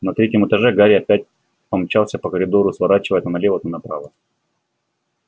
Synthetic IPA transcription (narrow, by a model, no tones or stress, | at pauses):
nɐt̪ɾʲetʲjəmɨt̪ɐʐɛɡaɾʲɪɐpʲæt̚ʲ | pɐmt͡ɕalˠsʲəpəkəɾʲɪd̪oɾʊsvɐɾat͡ɕɪvəjɛt̪nɐlʲevət̪ʊnɐpɾa̰və